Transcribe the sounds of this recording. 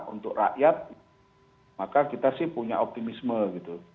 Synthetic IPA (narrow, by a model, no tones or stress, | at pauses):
ṵnt̪ʊkra̰ʔjat̪̚ | makakit̪asɪhpuɲa̰ɔp̚t̪imisməɡit̪u